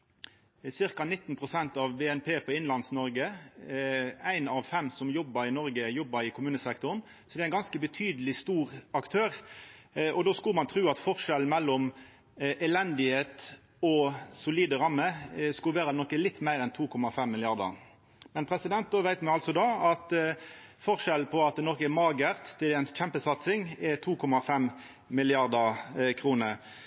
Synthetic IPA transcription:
sɪʁkɑnɪt̪ːnpʰʁʊsɛnt̪ɑʋbeːɛnpʰeːpʰɔɪnlɑnsnɔɾɡə | æɪnɑʋfɛmsɔmjɔbːəɾɪnɔɾɡəjɔbːəɾɪkʰʊmʉːnəsɛkt̪ʊʁn | sɔd̪ɛæɪnɡɑnskəbət̪ʰyːd̪əlɪst̪uːʁɑkt̪ʰøːʁ | ʔɔd̪oːskʉlmɑnt̪ʰɾʉːɑt̪fɔʁʂɛlmɛlːɔm | ʔɛlɛnd̪ɪheːt̪ | ɔsʊliːd̪əɾɑmːəskʉʋæːɾənɔkːəlɪt̪ːmæɪɾɛnt̪ʰuːkʰɔmɑfɛmːɪlɪɑʁd̪ə̰ | mɛnpʰɾɛsɪd̪ɛnt̪̚d̪oːʋæɪt̪mɛɑlt̪sɔd̪ɑːɑt̪ | fɔʁʂɛlpʰɔɑt̪nɔkəɛmɑːɡəʁt̪t̪ʰːɪlɛɛnsc͡çɛmpəsɑt̪sɪŋɛt̪ʰuːkʰɔmɑfɛm | mɪlɪɑʁd̪əkʰɾuːnə

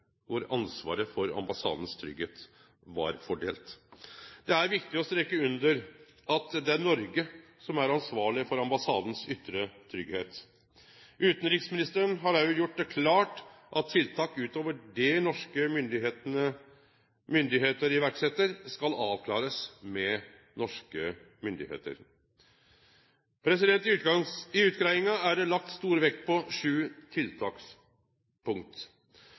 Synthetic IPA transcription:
ʋʊɾɑ̰nsʋɑ̰ːɾəfɔɾɑ̰mbɑsɑ̰ːd̪n̩st̪ʰɾʏ̰ɡeːt̪ | ʋɑ̰ɾfɔɖḛːlt̪ | d̪̥ɛæɾʋɪkt̪ɪɔst̪ɾɛkːəʉnd̪əɾ | ɑt̪d̪ɛæɾnɔɾɡə | sɔmæɾɑnsʋɑːɭɪfɔɾɑmbɑsɑːd̪n̩sʏt̪ːɾət̪ʰɾʏɡheːt̪ | ʉːt̪n̩ɾɪksmɪnɪst̪əɾənɦɑɾɑjʊjʊʈ̚ːd̪ɛkʰlɑːʈ | ʔɑt̪ʰːɪlt̪ʰɑːkʉːt̪oːʋəɖɛnɔʂkəmʏnd̪ɪenə | mʏnd̪ɪɦeːt̪əɾɪʋæɾksɛt̪ːəɾskɑlɑːʋkʰlɑ̰ːɾəsmɛ | nɔʂkə | mʏnd̪ɪhḛːt̪ə̰ɾ | pʰɾɛsɪd̪ɛnt̪ɪʉɪʉːt̪kɾæɪɪŋɑæɖɛlɑk̚t̪st̪uːɾʋɛk̚t̪pʰɔʂʉːt̪ʰɪlt̪ʰɑːks | pʰʊŋt̪

